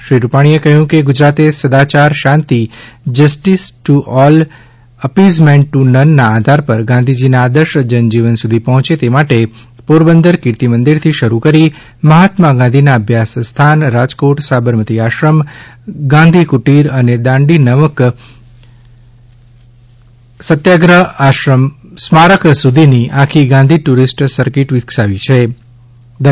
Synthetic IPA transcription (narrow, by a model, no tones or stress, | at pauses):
ʃɾiɾupaɽ̃iekəɦjũkeɡʊd͡ʒɾat̪esəd̪at͡ʃaɾʃãnt̪id͡ʒəsʈisʈuʔɔl | əpizmẽɳʈːunənːaːd̪ʱaɾpəɾɡãnd̪ʱid͡ʒinaːd̪əɾʃd͡ʒənd͡ʒiʋənsud̪ʱipɔɦɔ̃t͡ʃet̪emaʈe | poɾbənd̪əɾkiɾt̪imə̃nd̪iɾt̪ʰiʃəɾukəɾi | məɦat̪maɡãnd̪ʱinaəbʱjasst̪ʰanɾad͡ʒkoʈsabəɾmət̪iaʃɾəmɡãnd̪ʱikuʈiɾəned̪ãɳɖinəʋək | sət̪jaɡɾəaʃəmsmaɾəksud̪ʱiniʔakʰiɡãnd̪ʱiʈuɾisʈsəɾkiʈʋɪksaʋit͡ʃʰe | d̪